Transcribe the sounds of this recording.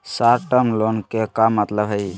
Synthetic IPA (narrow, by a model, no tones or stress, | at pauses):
saɾʈəmlonkekamːət̪ləbʱɦəj